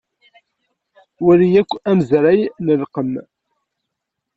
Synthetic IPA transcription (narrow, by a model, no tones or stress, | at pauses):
wæɾijækʷːæməzɾæjnəlqəm